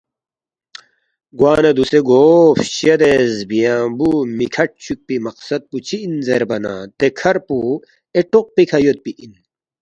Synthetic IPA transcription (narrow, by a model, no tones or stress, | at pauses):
ɡwaːnɐd̪useɡoːfɕɐd̪ezbijãːbumikʰɐʈ̚t͡ɕʰuk̚pimɐqsɐt̪̚put͡ɕʰiːnzeɾbɐna̰t̪ekʰɐɾpu | eʈoq̚pikʰɐjot̪̚piʔin